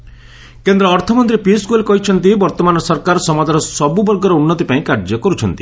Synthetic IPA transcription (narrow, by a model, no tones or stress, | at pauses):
kend̪ɾɔːɾt̪ʰɔmɔnt̪ɾipiskuelekɔɦit͡ʃʰɔnt̪ibɔɾt̪ɔmanɔsɔɾkaɾɔsɔmad̪ʱaɾɔsɔbubɔɾɡɔɾɔunːɔt̪ipaĩkaɾd͡ʒɔkɔɾut͡ʃʰɔnt̪i̥